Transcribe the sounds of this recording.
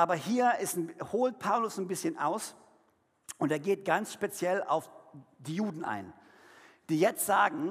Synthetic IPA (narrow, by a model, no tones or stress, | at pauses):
ʔaːbɐɦiːɐɪstnhoːlt̚pʰaʊlʊsnbɪsçənʔa̰ʊs | ʔʊnteːɐɡeːtɡ̥ant͡sʃpet͡sjɛla̰ʊfd̥iːjuːdn̩ʔa̰ɪn | d̥iːjɛt͡stz̥aːɡŋ̩